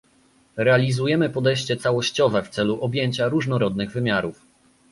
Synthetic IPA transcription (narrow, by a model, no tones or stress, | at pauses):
ɾɛalʲizujɛmɘpɔd̪ɛjɕt͡ɕɛt̪sawɔɕt͡ɕɔvɛft̪sɛluʔɔbʲjeɲt͡ɕaɾuʐnɔɾɔd̪nɘɣvɘmʲjaɾuf